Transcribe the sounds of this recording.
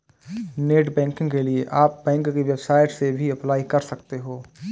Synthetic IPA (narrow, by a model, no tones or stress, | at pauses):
neːʈbɛ̃ːŋkɪ̃ŋɡkelieʔaːp̚bɛ̃ːŋkkiʋɛbsaːɪʈsebʱiɐplaːikɐɾsɐkt̪eɦoː